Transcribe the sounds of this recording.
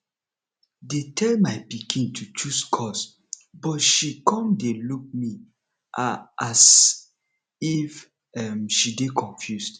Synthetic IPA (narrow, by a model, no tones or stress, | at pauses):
detʰɛlmaɪpikʰĩntʰut͡ʃuskʰɔs | bɔtʃikʰɔ̃mdeluk̚mi | as | if | ɛmʃidekʰɔ̃ɱfjusd